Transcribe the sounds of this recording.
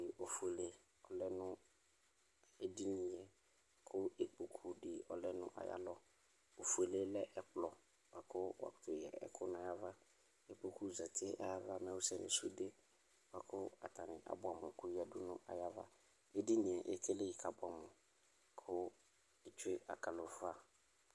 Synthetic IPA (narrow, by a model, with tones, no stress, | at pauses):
ɪ˨ʔo˨fu˨e˨le˨ | ɔ˨lɛ˦nʊ̃˦ | e˦di˦nĩ˨jɛ˨ | kʰʊ˦e˨k͡pu˨kʰu˨dɪ˨ɔ̰˨lɛ˦nʊ̰̃˦ʔa̰˨ja̰˦lɔ˦ | o˨fu˨e˨le˦lɛ˦ʔɛ˦k͡plɔ˨ | wa˨kʰʊ˦wa̰˨kʊ̥˨tʰʊ˨ɛ̰˨ɛ̰˨kʰʊ˦nʊ̃˦a˨ja˦va˦ | e˨k͡po˨kʰu˦˨za˨tʰɪ˦ʔa˦ja˦va˦mɛ̃˦wu˦sɛ˨nɪ̰̃˨su˦de˦ | wa˨kʰʊ˦a̰˨tʰa˨nɪ̃˨ʔa̰˨bʊ˦˨a˨mʊ̃˨kʊ˦jɛ˨dʊ˦nʊ̰̃˦ʔa̰˨ja˦va˦ | e˦di˦nĩ˨ɛ˨ʔɛ̰˨kʰɛ˦le˦ji˨kʰa˨bʊ˨˦a˨mʊ̃˨ | kʰʊ˦ | e˨t͡ʃʰʊ˦e˦a̰˨ka˨lo˨fa˦